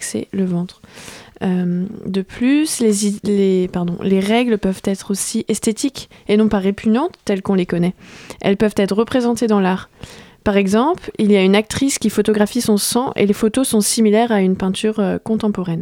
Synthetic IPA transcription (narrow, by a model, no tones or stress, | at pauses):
ksɛ̰ləvɑ̃t̪χømd̪əplyslezlepaʁd̪ɔ̰̃leʁɛɡlpœvt̪ɛt̪χosiʔɛst̪et̪ikenɔ̃paʁepʰyɲɑ̃t̪ːɛlkɔ̃lekɔnɛʔɛ̰lpœvt̪ɛt̪χːəpχezɑ̃t̪ed̪ɑ̃laʁpaʁɛɡzɑ̃plilijaynak̚t̪χiskʲifot̪ɔɡʁafisɔ̃sɑ̃ʔḛlefot̪osɔ̃similɛʁaynpɛ̃t̪yʁøkɔ̃t̪ɑ̃pɔʁɛn